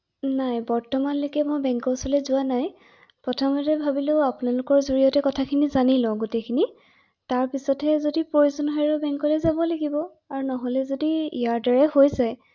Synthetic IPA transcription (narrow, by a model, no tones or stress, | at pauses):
najbɔɹtɔmanlokɛmojbɛŋkɔsɔlɛzʊanaj | pɹɔtʰɔmɔtɛbʱabiloʊapʊnalʊkɔɹzoɹijɔtɛkɔtʰakʰinizanilɔ̃ɡotekʰini | taɹpisɔtɛzodipɹojuzɔnɦɔjɹʊbɛŋkɔlɛzabɔlaɡibɔ | aɹunɔɦolɛzodiḭjaɹdɔɹɛhojzaj